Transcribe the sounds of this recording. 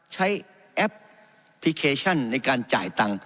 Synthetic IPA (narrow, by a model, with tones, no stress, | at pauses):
t͡ɕʰa˦˥j | ʔɛ˦˥p̚ | pʰːi˦˥kʰeː˧t͡ɕʰɔ˥˩nːa˧jkaː˧nt͡ɕaː˨˩jt̪a˧ŋ